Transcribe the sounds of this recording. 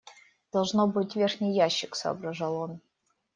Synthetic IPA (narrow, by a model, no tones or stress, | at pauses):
d̪̥ɐlˠʐnobɨtʲvʲerxnʲɪjːaɕːɪksɐ̰ɐ̰bɾɐʐɐlˠon